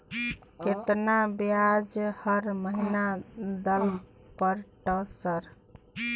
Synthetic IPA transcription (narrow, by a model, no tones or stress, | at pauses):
ket̪nabjad͡ʒhəɾməɦinad̪əl | pəɾʈəsəɾ